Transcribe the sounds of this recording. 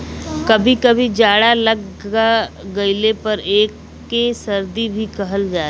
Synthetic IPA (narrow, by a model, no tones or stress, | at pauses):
kɐbʱikɐbʱid͡ʒaːɽalɐɡaɡɐɪlepɐɾeːkː | esɐɾd̪ibʱikɐɦəld͡ʒaː